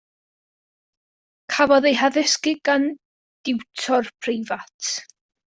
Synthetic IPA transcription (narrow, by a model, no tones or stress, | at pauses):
kʰavɔðejɦaðɪskɪɡan | d̥ɪwtʰɔrpʰrɪjvatʰ